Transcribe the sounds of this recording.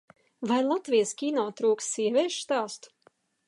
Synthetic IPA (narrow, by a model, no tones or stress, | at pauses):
vajlˠat̪vijskʲiːnɔwt̪ɾuːkst̪siɛvʲɛːʃst̪aːst̪u̥